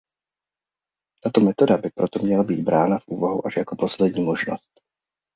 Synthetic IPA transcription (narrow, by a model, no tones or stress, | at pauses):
t̪aːt̪ɔmɛt̪ɔd̪abɪpɾɔt̪ɔmɲɛlabiːɟbɾaːnavʔuːvaɦṵʔaʒjakɔpɔslɛd̪ɲiːmɔʒnɔ̰st̪